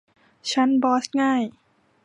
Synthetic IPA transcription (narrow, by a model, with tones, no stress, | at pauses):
t͡ɕʰa˦˥nbɔː˦˥sŋaː˥˩j